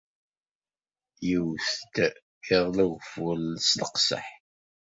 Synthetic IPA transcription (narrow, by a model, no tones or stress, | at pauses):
jəwθt̪ | ɪʁˤlæɣfulsləqsə̰ħ